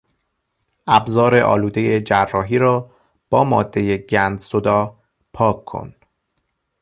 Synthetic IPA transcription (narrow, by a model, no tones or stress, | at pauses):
ʔæbzɒːɾeʔɒ̰ːluːd̪e̞je̞d͡ʒærːɒːɦiːɾɒː | b̥ɒːmɒːd̪ːe̞jeɟænd̪sod̪ɒː | pʰɒːkʰːo̰n